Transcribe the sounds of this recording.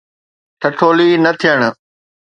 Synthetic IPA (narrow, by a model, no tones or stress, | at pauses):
ʈʰɐʈʰoːliːnɐt̪ʰijəɽ̃